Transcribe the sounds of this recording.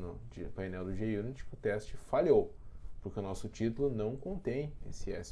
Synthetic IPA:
nʊd͡ʒipajnɛwd̪ʊd͡ʒiiɐiũnɪt͡ʃi̥pʊt̪ɛst͡ʃɪfaʎow | pʊɾkeʊnɔsʊt͡ʃit̪ʊlʊnɐ̃w̃kõnt̪ẽj̃esɪɛs

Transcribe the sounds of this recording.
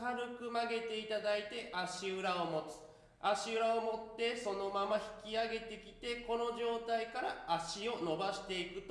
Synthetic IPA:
aɾɯ̟kɯ̟maɡe̞t̪e̞it̪ad̪ait̪e̞ʔaɕiɯɾaomo̞t͡sɨ̥ | aɕiɯ̟ɾao̞mo̞t̪ːe̞so̞no̞mamaçi̥kʲiaɡe̞t̪e̞kʲit̪e̞ko̞no̞ʑo̞ːt̪aikaɾaːɕio̞no̞baɕi̥t̪e̞ikɯ̟t̪

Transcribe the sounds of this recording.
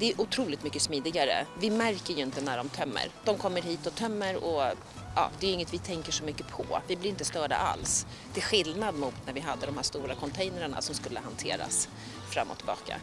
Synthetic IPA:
d̪ɛæʔʊt̪ʰɾuːlɪt̪mʏkːəsmiːd̪ɪɡaɾə̰vɪmæɾkəɾjɵɪnt̪ənæɖɔmt̪ʰœmːə̰ɾd̪̥ɔmkʰɔmːəɾɦiːt̪ɔt̪ʰœmːəɾɔ | ʔɑ̰ːd̪ɛjɵɪŋːət̪vɪt̪ʰɛŋkəʂɔmʏkːəpʰɔ̰vɪblɪɾɪnt̪əst̪œːɖa̰ʔa̰ls | d̪ɛɧɪlnad̪mʊt̪næɾvɪɦad̪ːəd̪ɔmhæːʂt̪uːɾakʰɔnt̪ʰɛjnəɾəɳa̰sɔmskɵlːəɦant̪ʰḛːɾa̰s | fɾa̰mːɔ̰t̪ʰɪlbɑ̰ːka̰

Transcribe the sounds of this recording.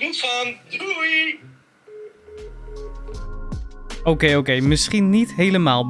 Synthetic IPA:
utfandui | owkejowkejmɪsχinːitɦejləmaːlˠ

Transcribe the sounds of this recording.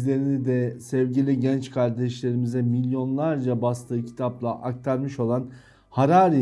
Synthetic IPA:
zlʲe̞ɾinid̪ɛsɛvɟilʲiɟɛnt͡ʃkʰaɾd̪ɛʃlʲe̞ɾimizɛmilʲjo̞nlˠaɾd͡ʒabast̪ʰɯːcʰi̥t̪ʰaplˠaʔak̚t̪ʰaɾmɯʃo̞lˠan | haɾaːɾi

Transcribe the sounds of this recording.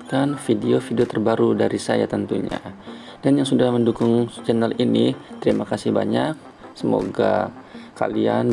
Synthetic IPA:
kanfideofideot̪ərbaɾudaɾisaja̰t̪ənt̪uɲa̰ | danjaŋsudahməndukʊŋt͡ʃɛnalinit̪əɾimakasiba̰ɲak̚ | səmo̰ɡa̰ka̰lian

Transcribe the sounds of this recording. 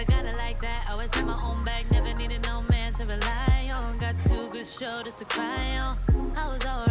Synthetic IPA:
aɪɡɑɾɨlaɪk̚ðæt̚aɪwɛsɨ̃nmaɪʔõʊ̃nbæk̚nɛvə˞niɾɨdⁿnoʊmæ̃ntʰɨɹilaɪɪ̃ŋɔ̃nɡɑtʰʉɡʊd̥ʃoʊɾɨsɨkʰɹ̥aɪɪ̃əaɪwʌzɔlˠ

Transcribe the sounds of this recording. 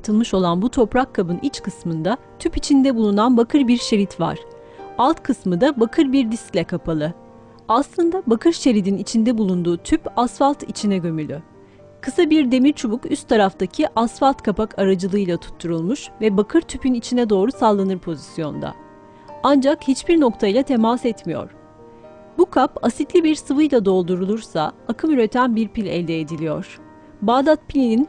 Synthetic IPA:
t̪ʰɯlˠmɯʃo̞lˠanbut̪ʰo̞pɾakʰːabɯnʔit͡ʃkʰɯsmɯnd̪a | t̪ʰypit͡ʃʰind̪ɛbulˠunanbakʰɯɾbiɾʃe̞ɾit̪va̰ɾ̥ | alˠt̪kʰɯsmɯd̪abakʰɯɾbiɾd̪isclʲɛkʰapʰalˠɯ | aslˠɯnd̪abakʰɯɾʃe̞ɾid̪init͡ʃʰind̪ɛbulˠund̪uːt̪ʰypasfalʲˠt̪ʰit͡ʃʰinɛɟø̞mylʲy | kʰɯsabiɾd̪e̞miɾt͡ʃʰubukyst̪ʰːaɾaft̪acʰiʔasfalʲˠt̪kʰapakʰaɾad͡ʒɯlˠɯjlˠat̪ʰu̥t̪ʰːuɾulˠmuʃvɛbakʰɯɾt̪ʰypʰynit͡ʃʰinɛd̪o̞ːɾusalˠːanɯɾpʰo̞zisjo̞nd̪a̰ | and͡ʒakhit͡ʃbiɾno̞kt̪ʰajlˠat̪ʰe̞masɛt̪mijo̞̰ɾ̥ | bukʰapasit̪lʲibiɾsɯvɯjlˠad̪o̞lˠd̪uɾulˠuɾsaakʰɯmyɾɛt̪ʰænbiɾpilʲɛ̰lʲd̪ɛed̪ilʲijo̞̰ɾ̥ | baːd̪at̪̚pʰilʲinin

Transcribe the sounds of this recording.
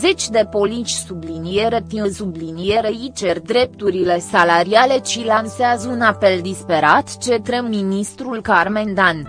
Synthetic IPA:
ze̞t͡ʃʲd̪e̞po̞lit͡ʃʲsublinie̞ɾet̪iəsublinie̞ɾeit͡ʃerʲd̪ɾe̞p̚t̪uɾile̞salaɾiale̞ʃilanseazəunape̞ld̪ispe̞ɾat̪t͡ʃe̞t̪ɾemːinist̪ɾulkarmend̪an

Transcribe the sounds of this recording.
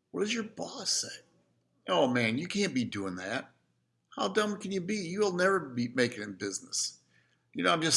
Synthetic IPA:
wʌɾɨzjə˞bɔse | ʔoʊmæ̃njɨkʰæ̃nb̥iduɪ̃ŋðæt̚ | haʊdʌ̃mkʰɨ̃njɨbijɨl̩ˠnɛvə˞bimeɪkɪ̃ŋɨ̃nbɪznəs | jɨnoʊãɪ̃md͡ʒʌs

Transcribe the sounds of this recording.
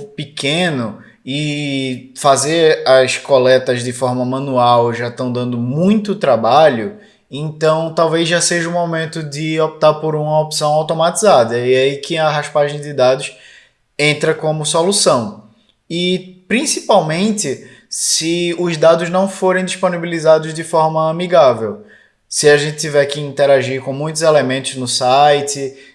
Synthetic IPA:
pɪkẽnʊ | ɪ | fazeɾɐskolɛt̪ɐzd̪ɪfɔɾmɐmɐ̃nuawʒat̪ɐ̃w̃d̪ɐ̃nd̪ʊmũj̃t̪ʊt̪ɾabaʎʊ | ẽnt̪ɐ̃w̃t̪awvejzʒaseʒɐũmomẽnt̪ʊd̪ɪop̚t̪aɾpoɾũmɐopsɐ̃w̃awt̪omat̪izad̪ɐiaikɪɐɦaʃpaʒẽj̃d̪ɪd̪ad̪ʊs | ẽnt̪ɾɐkõmʊsolusɐ̃w̃ | ɪpɾĩsipawmẽnt̪ɪ | sɪʊzd̪ad̪ʊznɐ̃w̃foɾẽj̃d̪iʃponibilizad̪ʊzd̪ɪfɔɾmɐɐmiɡavew | sɪaʒẽnt̪ɪt̪ivɛɾkɪĩnt̪ɛɾaʒiɾkõmũj̃t̪ʊzelemẽnt̪ʊznʊsajt̪ɪ

